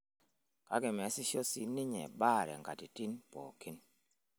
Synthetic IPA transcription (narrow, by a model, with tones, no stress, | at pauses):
ka̰˦ɡɪ˨mɛ˨˦sɪ˦ʃo˦si˦nɪ˦ɲɛ̰˨ba˦˨ɾɛ̰˨ŋɡa̰˨ti˨ti˦npɔ̰ː˨ki˦n